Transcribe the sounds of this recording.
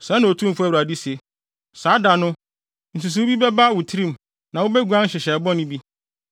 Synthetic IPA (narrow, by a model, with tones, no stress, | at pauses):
sã˨˦nã˨o˨tʰũ˦m˨fʊ˦æ˦˨u˨a˨di˦se˨ | saː˨˦da˨nʊ̃˦ | n̩˨su˨s̬u˦bi˦bɛ˦ba˦˨wʊ˨tʰɪ˦ɾĩ˦m˨ | nã˨wo˦bɛ˦ɡu˨ã˦n̩˦ɕɪ˨ɕɛ˨bɔ̃˦nɪ̃˦bi˦